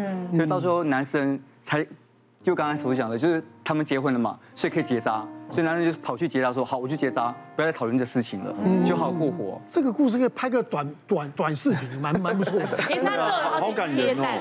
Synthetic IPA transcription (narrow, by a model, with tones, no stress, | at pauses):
so˥˧t̪ɑ˥˩ʊʂ̬ɻ̩˧xo˥˩ʊna˧˥nʂə˦˥n | t͡sʰa˧˥ɪ | t͡ɕjo˥˧˩kɑ˥ŋɑ˥so˧˥ɕ̬jɑ˨˩ŋdə˦jo˥˧ʊʂɻ̩˥˩t̪ʰa˥mə˨nt͡ɕjɛ˧˥xwə˧˦nlə˨ma̰˨˩swɔ˧˥i˨˩kʰə˥i˨˩t͡ɕjɛ˧˥t͡sa˦˥swɔ˧˥˨na˧˦nʂə˥t͡ɕjʊʂ̩˥pʰɑ˨˩ʊt͡ɕʰy˥˩t͡ɕjɛ˧˥t͡sa˥ʂ̬wɔ˥xɑ˨˩˦wɔ˨˩t͡ɕo˥˩t͡ɕjɛ˧˥t͡sa˥pu˧˥jtʰɑ˨˩lə˧nt͡sɤ˥ɡə˩ʂɻ̩˥˩t͡ɕʰi˨˩ŋlə̰˩˦t͡ɕjo˥˩ɦa˧˥˨kwɔ˥˩xwɔ̰˨˥˦ʈ͡ʂɤ˥˩ɡə˨˩ku˥˧ʂ̬ɻ̩˥˩ke˥˩pʰa˥ɪɡə˧˩t̪wa˨˦nt̪wa˨˩nt̪wa˨˩nʂɹ̩˥˩pʰi˨˧˦ŋma˧˦nma˧˦np̬u˧˥t͡sʰwɔ˥˩˨ | xɑ˧˥ʊka˨˩nɻə˧˥n˦˧